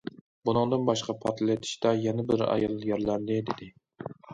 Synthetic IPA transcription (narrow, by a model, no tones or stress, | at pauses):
bunɨŋd̪ɨnbɑʃqʰɑpʰɑɾt̪ʰlat̪ʰɪ̥ʃt̪ajɛnabɪɾa̰jɒlˠjaɾlaɾd̪ɪd̪ed̪ɪ